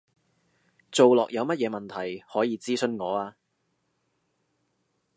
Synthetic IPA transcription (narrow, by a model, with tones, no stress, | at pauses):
t͡so˨wlɔː˨k̚jɐ˨˧wmɐ˥t̚jɛː˨˧mɐ˨nt̪ʰɐ˨˩jhɔː˨˥jiː˨˧t͡siː˥sɵ˨˧nŋɔː˨˧aː˧